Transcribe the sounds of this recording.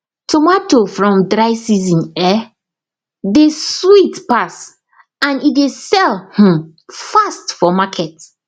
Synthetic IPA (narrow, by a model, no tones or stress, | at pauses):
tʰomatofɹɔ̃mdɹaɪsizĩnɛ | deswitpas | ãnidesɛlhũ | fastfɔmakʰɛt